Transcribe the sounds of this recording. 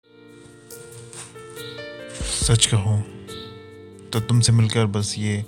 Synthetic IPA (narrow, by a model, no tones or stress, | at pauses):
sɐt͡ʃkɐɦõː | t̪ot̪ʊmsemɪlkəɾbɐsjeː